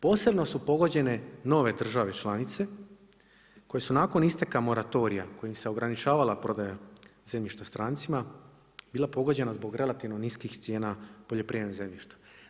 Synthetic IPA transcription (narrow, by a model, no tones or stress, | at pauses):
po̞ːse̞bno̞supo̞ɡo̞d͡ʑe̞ne̞no̞ʋe̞d̪r̩ʒaʋe̞t͡ʃlˠanit̪se̞ | ko̞je̞sunaːko̞nist̪e̞kamo̞ɾat̪o̞ɾija̰ko̞jimse̞o̞ɡɾanit͡ʃaːʋalapɾo̞d̪ajazemʎiʃt̪ast̪ɾaːnt̪sima | biːlˠapo̞ɡo̞d͡ʑe̞nazbo̞ɡɾe̞lˠat̪iʋno̞niskixst̪sje̞ːnapo̞ʎo̞pɾiːenoze̞mʎiʃt̪ḁ